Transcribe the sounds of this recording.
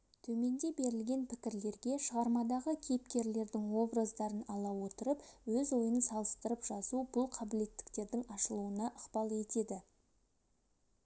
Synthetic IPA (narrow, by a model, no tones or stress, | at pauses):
t̪ʰɵme̞nd̪e̞be̞ɾɪlɡʲe̞npʰɪkʲɪɾle̞ɾɡʲe̞ʃəʁɑɾmɑd̪ɑʁəkʲʰejp̚kʲe̞ɾle̞ɾd̪ɪŋwo̞bɾəzd̪ɑɾənɑlˠɑwo̞t̪əɾəpwɵzwo̞jənsɑlˠəst̪əɾəpʒ̥ɑsubʊlˠqʰɑbɪle̞t̪ːɪ̥kt̪e̞ɾd̪ɪŋɑʃəlˠuənɑʔəqpɑlˠe̞t̪e̞d̪ɪ